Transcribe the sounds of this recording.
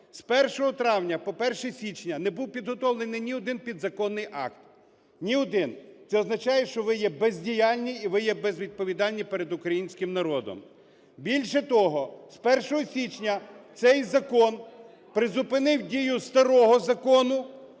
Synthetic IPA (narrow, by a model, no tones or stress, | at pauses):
spɛrʃɔɦɔt̪ɾɑwnʲɐpɔpɛrʃɛsʲit͡ʃnʲɐnɛbuwpʲid̪ɦɔt̪ɔwlˠenɪjnʲiɔd̪ɪnpʲid̪zɐkɔnːɪjʔɑ̰kt̪ | nʲiɔd̪ɪnt̪sɛɔznɐt͡ʃɑjɛʃt͡ʃɔʋɪjɛbezʲdʲijɑlʲnʲiːʋɪjɛbɛzʋʲid̪̚pɔʋʲid̪ɑlʲnʲipeɛɾed̪ʊkɾɐjinʲsʲkɪmnɐɾɔd̪ɔ̰m | bʲilʲʃɛt̪ɔɦɔspɛrʃɔɦɔsʲit͡ʃnʲɐt̪sɛjzɐkɔn | pɾɪzʊpɪnɪwdʲijʊst̪ɐɾɔɦɔzɐkɔnʊ